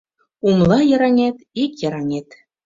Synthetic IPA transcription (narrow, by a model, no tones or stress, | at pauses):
umlˠɑjɤ̆ɾɑnʲet̪ikjɤ̆ɾɑnʲet̪ʲ